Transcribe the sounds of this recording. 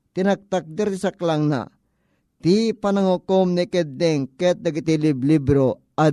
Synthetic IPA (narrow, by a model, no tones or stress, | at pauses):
t̪inak̚t̪ak̚d̪ɛɾt̪isaklaŋna̰ | t̪ipanɐŋokomnikɛd̪ːɛŋkɛt̪̚nɐɡit̪iliblibɾo | a